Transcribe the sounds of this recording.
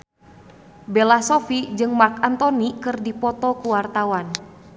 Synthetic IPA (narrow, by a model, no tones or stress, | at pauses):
bɛlasɔfid͡ʒɨŋmarkant̪ɔnikɨrdipɔt̪ɔkuwart̪awan